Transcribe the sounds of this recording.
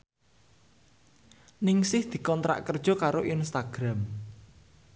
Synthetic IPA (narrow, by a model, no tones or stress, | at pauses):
nɪŋsɪhd̪̥i̤kɔnt̪ɾa̰ʔkərd̥ʒ̥ɔ̤kaɾoʔinst̪aɡ̥ɾam